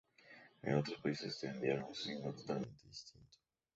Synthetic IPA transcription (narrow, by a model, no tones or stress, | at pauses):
ḛ̃owt̪ɾɐspoisɪzt̪ẽnd̪ieɾɐ̃w̃ũsinɐt̪ot̪almẽnt̪ɪd̪ist̪ĩnt̪ʊ̥